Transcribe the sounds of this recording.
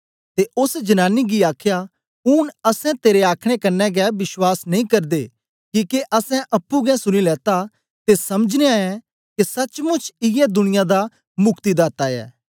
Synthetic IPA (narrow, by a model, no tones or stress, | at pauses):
t̪eʔʊsd͡ʒɐnaːniɡiaːkʰja | ʊːnɐsɛ̃t̪eːɾeaːkʰɽ̃ekɐnːɛɡɛbɪswaːsnɐĩkɐɾd̪e | kiːkeʔɐsɛ̃ʔɐpːuɡɛ̃sʊñilɛːt̪a | t̪esɐməd͡ʒneaːɛ̃ | kesɐt͡ʃmʊt͡ʃʰɪjɛd̪ʊnɪjãd̪a | mʊkt̪id̪aːt̪aɛ̰ː